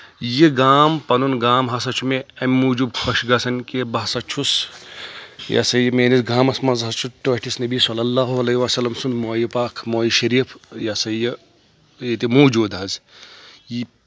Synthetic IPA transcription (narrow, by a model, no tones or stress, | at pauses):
jiɡaːmpɐnunɡaːmɦɐsɐt͡ʃʰumeɐmʲmuːd͡ʒubkʰɐʃɡɐsɐnkebɐɦɐsɐt͡ʃʰus | jɐ̰sɐjɐmeːnisɡaːmɐsmɐzɦɐt͡ʃʰuʈːoːʈisnɐbisɐlːɐlːaːɦuɐlɐiʋaːsɐlːɐmsunmoːjipaːkʰmoːjiʃɐɾiːfʰjɐsɐjɐ | jet̪imuːd͡ʒoːd̪ɦɐz | ji